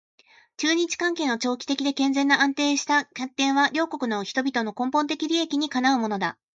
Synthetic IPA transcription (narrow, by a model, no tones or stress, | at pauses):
t͡ɕɨːɲ̟it͡ɕi̥kãŋke̞ːno̞t͡ɕo̞ːkʲi̥t̪e̞kʲid̪e̞kẽ̞nd͡zẽ̞nːaãnt̪e̞ːɕi̥t̪akʲat̪ːẽ̞ɰ̃βaɾʲo̞ːko̞kɯ̟no̞çi̥t̪o̞bʲit̪o̞no̞kõ̞mpont̪̬e̞kʲiɾʲie̞kʲiɲ̟ikanaɯ̟mo̞no̞d̪a̰